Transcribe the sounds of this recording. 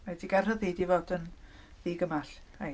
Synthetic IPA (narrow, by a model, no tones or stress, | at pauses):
diɡɛrəðiːdivɔdən | ðiːɡəmaɬ | a